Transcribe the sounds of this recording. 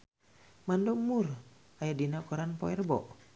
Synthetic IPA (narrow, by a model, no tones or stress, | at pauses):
mandɔmur | ajadinakɔɾanpɔ̰ɛrbɔ̰ʔ